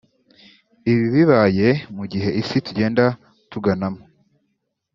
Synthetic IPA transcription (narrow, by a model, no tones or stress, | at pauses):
iβiβiβaːje̞muɟiɦe̞ʔisituɟe̞ːnda | tuɡanamo